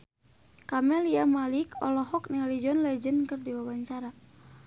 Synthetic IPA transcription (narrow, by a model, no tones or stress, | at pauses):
kamɛliamalikɔ̰lɔɦɔk̚nialid͡ʒɔnlɛd͡ʒənkɨrdiwabaɲt͡ʃaɾa